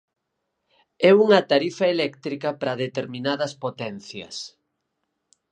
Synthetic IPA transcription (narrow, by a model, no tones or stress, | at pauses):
ɛuŋɐt̪aɾifɐelɛkt̪ɾikɐpɾɐðet̪eɾmĩnaðɐspot̪ɛnθjɐ̰s